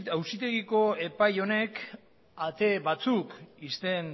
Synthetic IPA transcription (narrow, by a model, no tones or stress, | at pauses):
awsit̪e̞ɣiko̞e̞pajo̞ne̞k | at̪e̞βat͡sukist̪e̞n